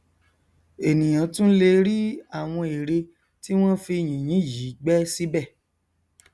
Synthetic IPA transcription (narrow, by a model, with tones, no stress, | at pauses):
e˨nĩ˨j̃ã˨˦tũ˦le˧ɾi˦a˦˨w̃ɔ̃˧e˨ɾe˧ | ti˦w̃ɔ̃˦fi˧˨j̃ĩ˨j̃ĩ˨˦˨ji˨˦ɡ͡bɛ˦si˦bɛ˦˨